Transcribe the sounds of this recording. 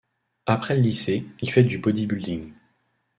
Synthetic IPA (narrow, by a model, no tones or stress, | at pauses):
apχɛləliseilfɛd̪ybɔd̪ibyld̪iŋ